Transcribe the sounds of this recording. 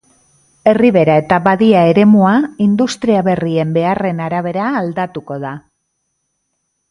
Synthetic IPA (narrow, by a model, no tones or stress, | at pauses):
e̞riβe̞ɾae̞t̪aβaðiae̞ɾe̞muaind̪ust̪ɾiaβe̞rie̞mbe̞are̞naɾaβ̞e̞ɾaːld̪at̪uko̞ð̞a